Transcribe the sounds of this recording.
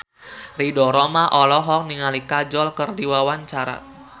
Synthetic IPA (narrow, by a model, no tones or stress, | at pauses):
ridɔɾɔmaʔɔlɔɦɔk̚niŋalikad͡ʒɔlkərdiwawaɲt͡ʃaɾa̰t̪̚